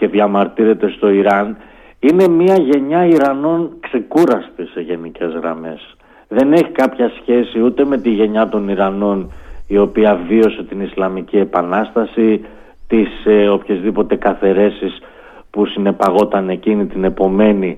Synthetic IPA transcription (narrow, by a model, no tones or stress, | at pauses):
ce̞ðʝɐmɐɾt̪iɾe̞t̪e̞st̪o̞iɾɐn | ine̞miɐʝe̞ɲɐiɾɐno̞nkse̞kuɾɐst̪ise̞ʝe̞nice̞zɣɾɐ̰me̞s | ðe̞ne̞çikɐpçɐsçe̞siut̪e̞me̞t̪iʝe̞ɲɐt̪o̞niɾɐno̞nio̞piɐvio̞se̞t̪inislɐmicie̞pɐnɐst̪ɐsi | t̪iseo̞pçezðipo̞t̪e̞kɐθe̞ɾe̞sis | pusine̞pɐɣo̞t̪ɐne̞cinit̪ine̞po̞me̞ni